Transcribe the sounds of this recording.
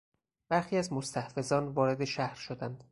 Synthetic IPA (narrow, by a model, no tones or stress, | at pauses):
b̥æɾxiːæzmost̪ʰæhfe̞zɒːnvɒːɾe̞d̪e̞ʃæhɾʃod̪ænd̪̥